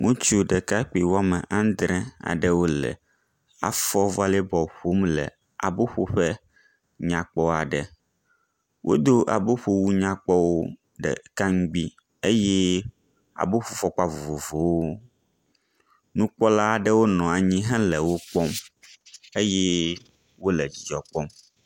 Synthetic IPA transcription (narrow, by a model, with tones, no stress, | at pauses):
ŋũ˦t͡ʃu˦ɖɛ˨ka˦k͡pi˨wo˦a˦mɛ̰̃˨ʔã˦d̪ɾɛ̃˦a̰˨ɖɛ˦wo˦lɛ̰˨ | a̰˨fɔ˦va˦lɛ˦bɔ˨ɸo˦mlɛ̰˨ | a̰˨bo˦ɸo˦ɸɛ˦ | ɲã˨k͡pɔ˦a˨ɖɛ˨ | wʔo̰˦d̪o˦ʔa̰˨bo˦ɸo˦wu˦ɲã˦k͡pɔ˦wo˦ | ɖɛ̰˨ka˦ŋ̩˦ɡ͡bi˦ | e˦jɛ˦ | a̰˨bo˦ɸo˦fɔ˦k͡pa˦vo˨vo˨vo˨wo˦ | nũ˦k͡pɔ˦la˦a˨ɖɛ˦wo˦nɔ̃˨a˨ɲĩ˦ɦɛ̃˦lɛ˨wo˦k͡pɔ˦m | e˦jɛ˦ | wo˦lɛ˨d͡ʑi˨d͡ʒɔ˨k͡pɔ˦m